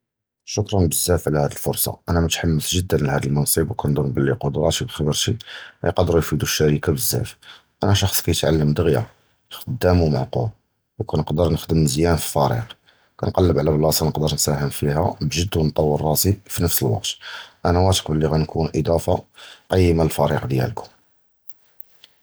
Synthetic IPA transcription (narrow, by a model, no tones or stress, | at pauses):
ʃʊkɾˤɑnbəzːæfʕlæhæd̪əlfʊɾˤsˤɑ̰ʔænæmæt̪ħamːəsʒəd̪ːənəlhæd̪əlmɑnsˤibwkænd̪uɾnbəlːiqʊd̪ɾˤɑt̪ibxɑbəɾʃiæ̰jqɑd̪əɾujfid̪uʃːæɾikabəzːæ̰f | ʔænæʃɑxsˤkæjət̪ʕalːəmd̪əɣja̰ | xəd̪ːæmuma̰ʕqṵl | wkænəqd̪əɾnəxd̪əmzjænfi̥fæɾḭq | kænqɑlːəbʕlæblɑsˤɑnəqd̪əɾnsæhəmfihæbʒəd̪ːwnt̪ˤɑwːərˤːɑsifinəfsəlwɑ̰q̚t̪ʔænæwæt̪ə̥qbəlːiɣænkʰunʔəd̪ˤɑfaqɑjːəmaəlfæɾiqd̪jæ̰lkʰʊ̥m